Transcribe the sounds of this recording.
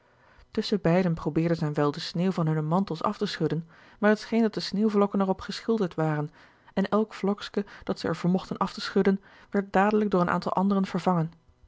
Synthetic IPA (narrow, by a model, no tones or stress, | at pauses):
tɵsəbɛjdənprowbɪːɹdəzɛjnʋɛlˠdəsneːwvɑnɦɵnəmɑntəlˠsɑ̰ftəsχɵdən | maːɹɦətsχejndɑtdəsneːwvlɔkənɛrɔpχəsχɪlˠdəɹtʋaːrən | ɛnɛlˠkflɔkskəd̥ɑtsəɛ̰ɹvəːɹmɔχtənʔɑftəsχɵdən | ʋɛɹt̚daːdələɡ̚dʊːɹənʔa̰ːntɑlˠʔɑ̰ndərənv̥əɹvɑŋən